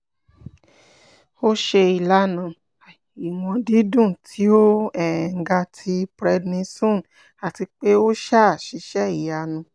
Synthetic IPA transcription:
o˦ʃe˧i˨la˨˦nã˨ | i˨w̃ɔ̃˧di˦dũ˦˨tʰi˦o˦ɛ˦˨ŋ̩˨ɡa˧tʰi˧bɾɛ˧dnĩ˧sõ˦˨n | a˨ti˧k͡pe˦o˦ʃa˦˨ʃi˨˦ʃɛ˦i˨ja˧nũ˧˦

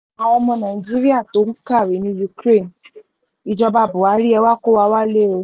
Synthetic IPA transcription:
a˨˧ɔ˧mɔ̃˧nã˨i˨d͡ʒi˦ɾi˦a˦˨to˨˦n̩˦ka˦˨ɾe˨˦nĩ˧˦ju˧kɾe˦˨n | i˧d͡ʒɔ˧ba˧˦˨bʊ˨a˨˦ɾi˦ɛ˧wa˦˨ko˦wa˧˦wa˦le˦˨o˧˦

